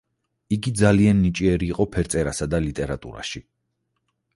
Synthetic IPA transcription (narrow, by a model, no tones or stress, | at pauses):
iɡid̪zalianːit͡ʃʼiɛɾiːqʼɔpʰɛɾt̪sʼɛɾasad̪alit̪ʼɛɾat̪ʼṵɾa̰ʃi